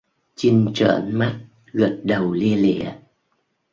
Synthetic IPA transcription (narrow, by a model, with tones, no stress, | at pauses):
t͡ɕi˧nt͡ɕə̰ː˧˩nma˦˥t̚ | ɣə˨˩t̚ɗə˨˩wli˧əlḭ˧˨˩ə